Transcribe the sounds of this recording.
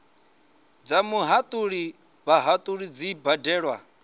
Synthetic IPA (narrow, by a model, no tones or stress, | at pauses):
d͡zamuɦat̪ʼuɺi | βaɦat̪ʼuɺid͡zibadɛːɺwa̰